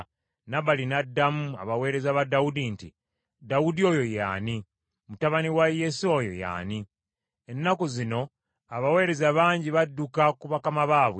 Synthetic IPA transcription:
naβalinadːamua̰βawe̞ːɾe̞zaβadaudintḭ | dawudio̞jo̞ja̰ːni | mutaβaniwajesojo̰ja̰ːni | e̞nːakuzino̞ | aβawe̞ːɾe̞zaβaːɲɟiβadːukakuβakamaβaːβwe

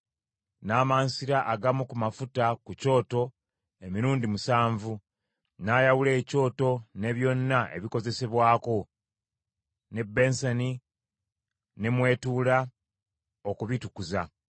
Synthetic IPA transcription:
naːmaːnsiɾaʔaɡamukumafutakuco̞ːto̞ | e̞miɾuːndimusaːɱvu | naːjawule̞ːco̞ːto̞ne̞βjo̞nːaʔe̞̰βiko̞ze̞se̞βwaːko̞ | ne̞bːe̞nsani | ne̞mwe̞ːtuːla | okuβitukuza

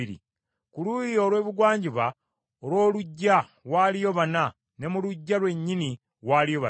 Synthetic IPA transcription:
iɾḭ | kulujijo̞ːlwe̞ːβuɡwaːɲɟiβa | olwo̞ːluɟːa | ɣwaːlijo̞βana | ne̞muluɟːalwe̞ɲːini | ɣwaːlijoβa

